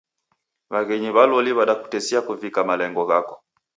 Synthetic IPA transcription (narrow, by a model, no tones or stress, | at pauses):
βaɣɛɲiβalɔliβaɗaku̥tɛsiakuvikamalɛŋɡɔɣakɔ̥